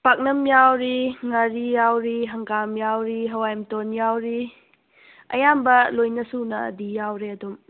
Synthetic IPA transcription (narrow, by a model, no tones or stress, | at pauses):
pak̚nɐmjawɾiŋaɾijawɾiɦɐŋkamjawɾiɦɐwajmtonjawɾi | ɐ̰jambɐlojnɐsunɐ̰ːdijawɾeɐdum